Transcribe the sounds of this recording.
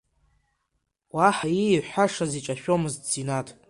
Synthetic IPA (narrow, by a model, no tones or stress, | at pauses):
waħajiːħaʂazit͡ʃʼaʃᶣo̞mɨzt͡sinatʰʼ